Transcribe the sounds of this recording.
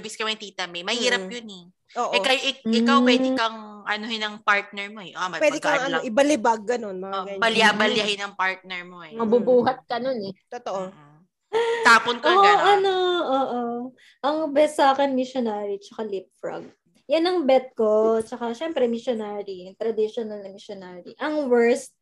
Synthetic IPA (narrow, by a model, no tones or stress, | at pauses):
bɪskɐmɐt̪iːt̪ɐmɛmɐhiːɾɐpjʊnɛ | ʔoːʔɪkɐjʔɪɪkawpwɛd̪ɪkɐŋʔɐnohɪnɐŋpaɹt̪̚nɛɹmoɛʔwɛːd̪ɪkɐŋɐnoʔɪbɐlɪbaɡːɐno̞nmɐŋɡɐɲːbɐljabɐljahɪnɐŋpaɹt̪̚nɛɹmoɛmɐbubuːɦɐt̪̚kɐnonɛt̪ot̪oʔo | t̪aːponkoːʔʔɐnoʔoːʔo | ʔɐŋbɛssaːkɛnmɪʃjonaːɾit͡ʃɐkalɪp̚fɾɐ̰ɡ̚ | jɐnɐŋbɛt̪̚kot͡ʃɐkaʃɛmpɾɛmɪʃonaːɾiɐt̪ɾɐd̪iʃonɐlnɐmɪʃonaːɾḭʔɐŋwɛɹs̚